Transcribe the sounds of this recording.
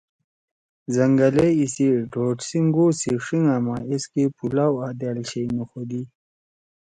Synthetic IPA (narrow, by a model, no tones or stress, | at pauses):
zɐŋɡɐleisiɖoːʈsiŋɡoːsiʂiŋamaeskepulaːwaːd̪aːlɕeinexod̪i